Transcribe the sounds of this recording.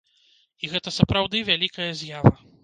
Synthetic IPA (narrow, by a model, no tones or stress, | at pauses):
iɣɛt̪ɐsɐpɾawd̪ɨvʲalʲikɐjɐzʲjavɐ